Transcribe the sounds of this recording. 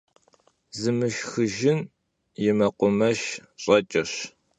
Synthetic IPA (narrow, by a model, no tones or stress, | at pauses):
zɨmɨʃxɨʒɪn | jɪmɐqʷʊmɐʃɕʼɐt͡ʃʼɐɕ